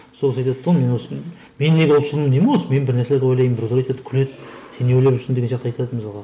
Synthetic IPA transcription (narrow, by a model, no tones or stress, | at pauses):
sokʲɪsɑjt̪ɑd̪̚t̪ʰːome̞nwosə | menːeɡʲeʊlˠʃlˠəmənd̪emenwosəme̞nbɪɾnæɾseeɾɡ̪ʲewolˠɑjmbɪɾd̪ɑjt̪ed̪ɪ̥kʲʰʏle̞d̪se̞newejlepʏʃɪnd̪eɡenʒɑqt̪ɑjt̪ɑd̪əməzɑʁɑ